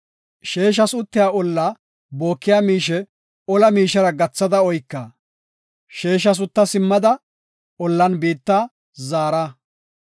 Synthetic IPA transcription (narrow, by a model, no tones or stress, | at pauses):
ʃeːʃ̬ɐsʊt̪ːɪjaːɔlːaː | bo̞ːkːɪjaːmiːʃɛ | ɔlɐmiːʃɐɾɐɡɐt͡sːɐd̪ɐɔjkːɐ | ʃeːʃ̬ɐs̬ʊt̪ːɐsɪmːɐd̪ɐ | ɔlːɐnbiːt̪ːaː | zaːɾɐ